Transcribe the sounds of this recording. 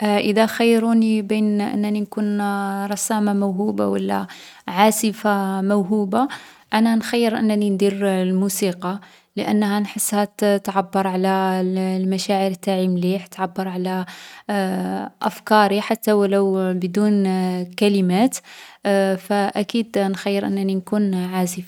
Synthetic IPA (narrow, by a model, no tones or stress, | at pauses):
ʔʔəd̪æxajːɾunibinʔə̰nːæninkunɾˤɑsæmamæwɦubawəlːæ̰ | ʕasəfamæwɦuba | ʔænænxɑjːəɾʔə̰nːnind̪iɾlmusiqɑ | ləʔənːɦænħəsːhæt̪ʕabːɑɾˤʕalælmæʃaʕəɾt̪ːaʕimliħt̪ːʕabːɑɾˤʕalæ | ʔæfkɑɾiħat̪ːæwlæwbd̪unkæləmæt̪ | fæʔækid̪nxajːəɾʔə̰nːæninkunʕasəfa